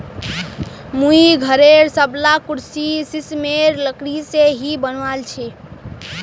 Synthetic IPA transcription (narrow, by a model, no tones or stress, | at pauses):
muiɡʱəɾeɾsəblakuɾsisismeɾləkɽiseɦibənʋalt͡ʃʰɛ